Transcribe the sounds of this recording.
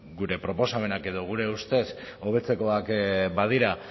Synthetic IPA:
ɡuɾe̞pɾo̞po̞same̞nake̞ðo̞ɣ̞uɾe̞ust̪e̞s | o̞βe̞t͡se̞ko̞akbað̞iɾa

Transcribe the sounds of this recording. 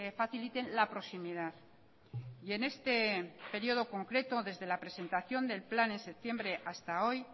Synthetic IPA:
efaθilit̪e̞nlapɾo̞simið̞aθ | je̞ne̞st̪e̞pe̞ɾio̞ð̞o̞ko̞ŋkɾe̞t̪o̞ðe̞zðe̞lapɾe̞se̞nt̪aθjo̞nd̪e̞lplane̞nse̞p̚t̪je̞mbɾe̞ʔast̪ao̞j

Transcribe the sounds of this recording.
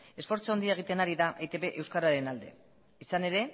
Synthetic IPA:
e̞sfo̞ɾt͡soond̪iae̞ɣ̞it̪e̞naɾiðaʔejt̪e̞βeʔe̞wskaɾaɾe̞nald̪e̞̰ | isane̞ɾe̞

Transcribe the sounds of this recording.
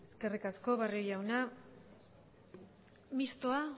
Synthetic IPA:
e̞ske̞rikasko̞βariojawna | mist̪oa

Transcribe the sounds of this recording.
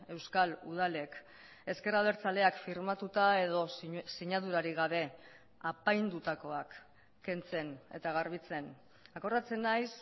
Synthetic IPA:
e̞wskalṵð̞ale̞k | e̞ske̞raβ̞e̞ɾt͡sale̞akfiɾmat̪ut̪ae̞ðo̞siɲaðuɾaɾiɣaβe̞ | apajnd̪ut̪ako̞akː | e̞nt͡se̞ne̞̰t̪aɣ̞aɾβ̞it͡se̞n | ako̞rat͡se̞najs

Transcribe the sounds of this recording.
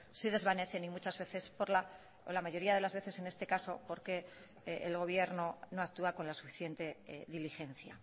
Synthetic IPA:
siðe̞zβane̞θe̞nimut͡ʃazβe̞θe̞spoɾla | o̰lamaʝo̞ɾiaðe̞lazβe̞θe̞se̞ne̞st̪e̞kaso̞po̞ɾke̞ | ʔḛlɣ̞o̞β̞je̞ɾno̞no̞ak̚t̪uako̞nlasu̥fi̥θje̞nt̪e̞ðilixe̞n̟θja̰

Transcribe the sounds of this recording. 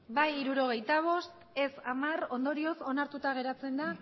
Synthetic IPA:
bajiɾuɾo̞ɣ̞e̞jt̪aβ̞o̞st̪ | e̞samaro̞nd̪o̞ɾio̞so̞naɾt̪ut̪aɣ̞e̞ɾat͡se̞nd̪a

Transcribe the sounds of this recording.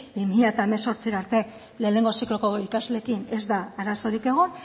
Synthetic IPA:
bimiʎat̪aeme̞so̞ɾt͡siɾaɾt̪e̞ | le̞ːne̞ŋɡo̞siklo̞ko̞ikazle̞ːkine̞zd̪aaɾaso̞ɾike̞ɣ̞on

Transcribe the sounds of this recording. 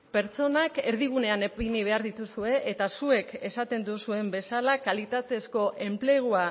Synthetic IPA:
pe̞ɾt͡so̞nake̞ɾð̞iɣ̞une̞aneiniβe̞aɾðit̪usue̞ʔet̪asue̞ke̞sat̪e̞nd̪usue̞mbe̞salakalit̪at̪e̞sko̞ʔe̞mple̞ɣ̞ua

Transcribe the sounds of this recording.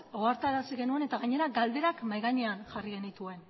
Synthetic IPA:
o̞aɾt̪aɾasiɣe̞nue̞ne̞t̪aɣaɲe̞ɾaɡald̪e̞ɾakmajɣaɲeanʝariɣe̞nit̪ue̞n

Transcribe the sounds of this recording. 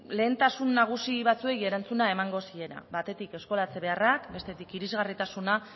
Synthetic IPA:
le̞ːnt̪asunːaɣ̞usiβat͡sue̞je̞ɾant͡sunae̞maŋɡo̞sie̞ɾa̰βat̪e̞t̪ike̞sko̞lat͡se̞βe̞arakbe̞st̪e̞t̪ikiɾizɣarit̪asuna

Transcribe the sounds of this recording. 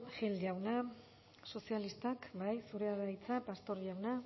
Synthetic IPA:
xeldjawna | so̞sialist̪akbajsuɾe̞aɾajt͡sapast̪o̞ɾawna

